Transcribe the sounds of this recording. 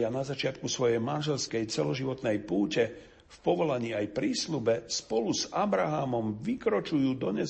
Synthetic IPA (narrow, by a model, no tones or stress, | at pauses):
anazat͡ʃɪat̪kusʋɔjɛjmanʒɛlskɛjt͡sɛlɔʒiʋɔt̪nɛjpuːcɛ | fpɔʋɔlaɲiːajpɾiːslubɛspɔluzabɾaɦaːmɔmʋikɾɔt͡ʃujuːd̪ɔɲɛ